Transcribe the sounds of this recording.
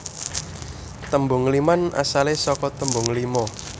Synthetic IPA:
t̪əmbʊ̤ŋlimanʔa̰salesɔkɔt̪əmbʊ̤ŋlimɔ

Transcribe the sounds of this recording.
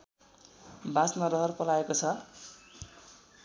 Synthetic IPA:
bãsmaɾʌɦʌrpʌlaekot͡sʰʌ

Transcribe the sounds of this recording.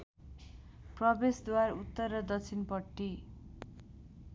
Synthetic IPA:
prʌbesd̪warut̪ːʌrːʌd̪ʌt͡sʰinpʌʈːi

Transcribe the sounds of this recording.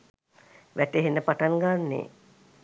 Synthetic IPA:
ʋæʈeɦenːəpaʈaŋɡanːḛː

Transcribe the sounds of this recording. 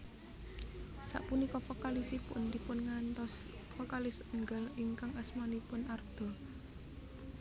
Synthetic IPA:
sa̰ʔpunikɔpɔkalisipʊ̰nd̪ipʊnŋant̪ɔs | kɔkalɪsəŋɡəliŋkaŋəsmanipʊnard̪̥ɔ̤

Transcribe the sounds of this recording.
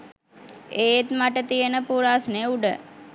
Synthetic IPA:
eːet̪maʈət̪ijənəpuːɾaːsneuɖə

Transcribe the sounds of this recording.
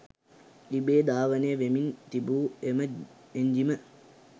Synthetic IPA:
libeːd̪aːʋəneəʋemint̪ibuːemə | eɲd͡ʒimə

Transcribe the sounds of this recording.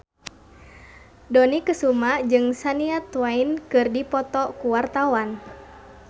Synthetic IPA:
dɔnikəsumad͡ʒɨŋsaniat̪wainkɨrdipɔt̪ɔkuwart̪awan

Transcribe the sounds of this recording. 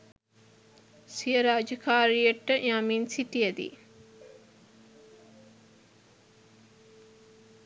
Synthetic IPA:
sijəɾaːd͡ʒəkaːɾijəʈːəʔaminsiʈijəd̪ḭ

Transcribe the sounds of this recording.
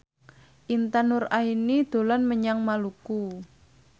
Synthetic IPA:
ʔint̪anʊrainid̪̥o̤lɔnməɲaŋmaluku

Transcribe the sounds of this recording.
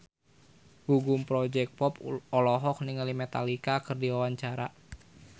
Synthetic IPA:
ɡ̥uɡumpɾɔd͡ʒɛk̚pɔpɔlɔɦɔk̚niŋəlimɛt̪alikakɨrdiwawaɲt͡ʃaɾa

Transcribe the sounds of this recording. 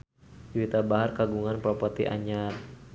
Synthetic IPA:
d͡ʒwit̪abaɦarkaɡuŋanpɾɔpɔt̪iʔa̰ɲar

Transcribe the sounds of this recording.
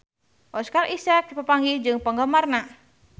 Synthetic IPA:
ʔɔskarʔisɛk̚pəpaŋɡihd͡ʒɨŋpəŋɡəmarna

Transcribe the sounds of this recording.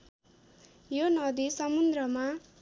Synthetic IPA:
jonʌd̪isʌmund̪rʌma

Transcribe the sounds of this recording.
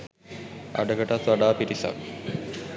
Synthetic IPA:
ɐ̰ɖɐɡɐʈɐt̪ʋɐɖaːpiɾisa̰k

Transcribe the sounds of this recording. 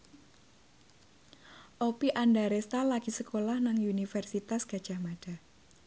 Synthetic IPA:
ʔopiʔandaɾest̪alaɡ̥isəkolahnaŋunifɛrsit̪asɡ̥ad̥ʒ̥a̤hmaɖ̥a̤

